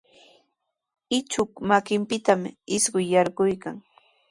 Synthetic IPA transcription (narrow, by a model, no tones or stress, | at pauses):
ɪt͡ʃʊkmakɪmpɪt̪amɪsɢʊjːɑɾɢʊjkaŋ